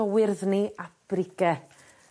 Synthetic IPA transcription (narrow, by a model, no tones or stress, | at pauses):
ɔwɪrðniab̥rɪɡɛ